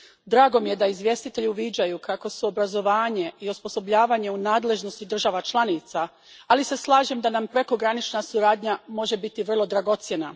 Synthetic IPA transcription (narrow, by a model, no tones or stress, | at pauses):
d̪ɾaːɡo̞mije̞d̪aizʋje̞st̪it̪e̞ʎiuʋid͡ʑajukako̞suobɾazo̞ʋaːɲe̞iospo̞so̞bʎaːʋaɲe̞unaːd̪le̞ʒno̞st̪id̪r̩ʒaʋat͡ʃlˠanit̪saː | lise̞slˠaːʒe̞md̪anampɾeko̞ɡɾanit͡ʃnasuɾaːd̪ɲamo̞ʒe̞bit̪iʋr̩lˠo̞d̪ɾaɡo̞t̪sjena